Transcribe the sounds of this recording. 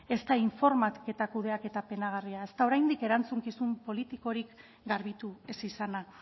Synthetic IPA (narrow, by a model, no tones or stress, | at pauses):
e̞st̪aiɱfo̞ɾmatke̞t̪akuð̞e̞ake̞t̪ape̞naɣ̞ariae̞st̪ao̞ɾajnd̪ike̞ɾant͡suŋkisumpo̞lit̪iko̞ɾik | ɡaɾβit̪ue̞sisana